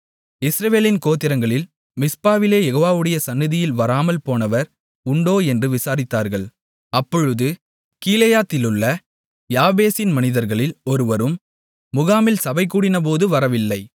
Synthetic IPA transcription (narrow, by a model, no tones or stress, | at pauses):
ɪsɾɐʋeːlɪnkoːt̪ːɪɾɐŋɡɐɭɪl | mɪspaːʋɪleːjɛɣoːʋaːʋɯɽɐjɐsɐnːɪðɪjɪlʋɐɾaːmɐlpoːnɐʋɐɾ | ʊɳɖoːɛndrɯʋɪsaːɾɪt̪ːaːɾɣɐɭ | ɐpːɔɻɯðɯ | kiːlɐjaːt̪ːɪlɯɭːɐ | jaːbeːsɪnmɐnɪðɐɾɣɐɭɪlɔɾɯʋɐɾɯmː | ʊɣaːmɪlsɐbɐɪk̬ːuːɽɪnɐp̬oːðɯʋɐɾɐʋɪlːɐɪ